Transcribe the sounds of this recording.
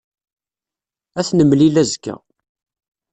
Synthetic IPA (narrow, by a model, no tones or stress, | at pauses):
æθnəmːlilæzkːæ̰